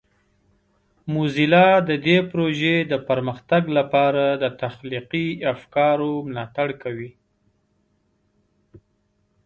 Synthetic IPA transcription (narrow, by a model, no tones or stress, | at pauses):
muzilɑd̪əd̪epɾoʒed̪əpəɾməxt̪aɡlapɑɾad̪ət̪axliqiafkɑɾomlɑt̪aɽkawi